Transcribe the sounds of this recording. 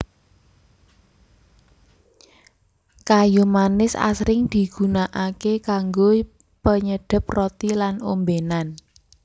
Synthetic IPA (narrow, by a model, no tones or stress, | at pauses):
kajumanɪsa̰sɾɪŋd̪̥i̤ɡ̥ṳnaʔakekaŋɡo | pəɲəɖ̪̥ə̤p̚rot̪ilanombenan